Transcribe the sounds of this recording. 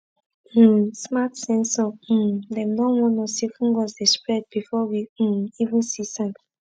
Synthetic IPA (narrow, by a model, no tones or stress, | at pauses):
smatsɛ̃nsɔ̃m̩dɛ̃mnɔ̃nwɔ̃nɔsifũnɡɔsdɛspɹɛd̚bifɔwiivũnsisãn